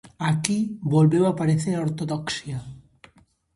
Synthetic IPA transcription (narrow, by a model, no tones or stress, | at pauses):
akibolβewapaɾeθeɾoɾt̪oðɔksja